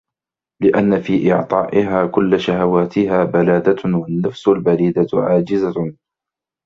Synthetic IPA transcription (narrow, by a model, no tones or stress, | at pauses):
lɪʔanːafiːʔɪʕt̪ˤɑːʔɪɦaːkʊlːaʃahawaːt̪ɪɦaːbalaːd̪awanːafsʊlbaɾiːd̪aʕaːd͡ʒɪza